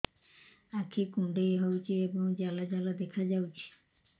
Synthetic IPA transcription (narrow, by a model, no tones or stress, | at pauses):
akʰikuɳɖejɦɔwt͡ʃʰieboŋd͡ʒalad͡ʑalad̪ekʰad͡ʑawt͡ʃʰi̥